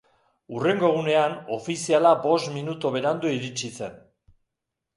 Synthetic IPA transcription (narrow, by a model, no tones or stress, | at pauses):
ure̞ŋɡo̞ɣ̞une̞ano̞fisialabo̞st̪minut̪oβe̞ɾand̪uiɾit͡ʃise̞n